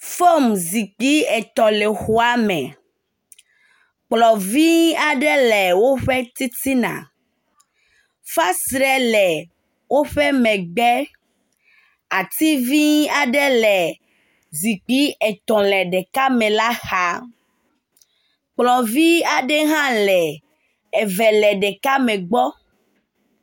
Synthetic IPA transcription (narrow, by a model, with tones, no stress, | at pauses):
fo˦mzi˨k͡pi˦ɛ˨t̪ɔ̃˨lɛ˨xu˨a˦mɛ̃˨ | k͡plɔ˨vi˦a˨ɖɛ˦lɛ˨wo˦ɸɛ˦t̪i˦t̪i˦nã̰˨ | fa˦sɾɛ˦lɛ˨ | wo˦ɸɛ˦mɛ̃˨ɡ͡bɛ˦ | a˨t̪i˦vi˦a˨ɖɛ˦lɛ˨ | zi˨k͡pi˦ɛ˨t̪ɔ̃˨lɛ˨ɖɛ˨ka˦mɛ̃˨la˦xa˦ | k͡plɔ˨vi˦a˨ɖɛ˦ɦã˦lɛ˨ | ɛ˨vɛ˨lɛ˨ɖɛ˨ka˦mɛ̃˨ɡ͡bɔ˦